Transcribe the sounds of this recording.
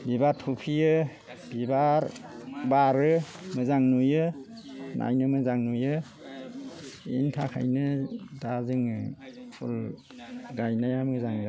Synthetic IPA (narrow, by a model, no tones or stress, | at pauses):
bibatʰupʰijɯ | bibaɾbaɾɯ | mɯzaŋnujɯ | nʔa̰jnɯmɯzaŋnujɯ | ḭntʰakʰa̰jnɯdazɯŋpʰɔ̰l | ɡajnajamɯzaŋza